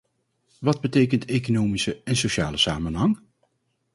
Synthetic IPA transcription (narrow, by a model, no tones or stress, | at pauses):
ʋɑd̚bətejkəntejkonoːmisəɛnsoʃaːləsaːmənɦɑŋ